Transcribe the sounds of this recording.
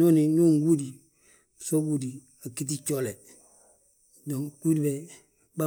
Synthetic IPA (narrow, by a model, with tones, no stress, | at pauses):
o˦ni˨ɲuː˦ŋɡu˦di˨ | so˦ɡu˦di˨ | a˨ki˦t̬i˦t͡ʃo˦le˨ | do˨ŋku˦di˨bɛ˨ | ba˦